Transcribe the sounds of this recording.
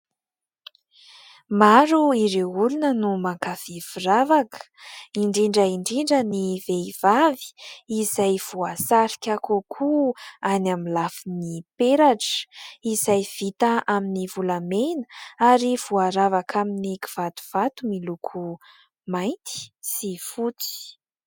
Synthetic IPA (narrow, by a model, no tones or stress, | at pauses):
maɾuiɾeulunənumakav̥iviravakə̥iɳɖ͡ʐiɳɖ͡ʐəiɳɖ͡ʐiɳɖ͡ʐəniveiv̥avi̥izajv̥uasaɾi̥kʲakukʰuanamilafinipeɾaʈ͡ʂə̥izajv̥it̪aʔaminivulamenəaɾiv̥uaɾavakʰaminikiv̥at̪u̥v̥at̪umilukʰu | majnt̪i̥sifut͡si̥